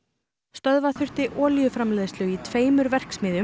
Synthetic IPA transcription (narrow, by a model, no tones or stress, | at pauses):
st̪œðvaθʏr̥t̪ɪʔɔːljʏfɾamlɛːðst̪lʏit̪ʰveːjmʏɾvɛr̥ksmɪːðjʏ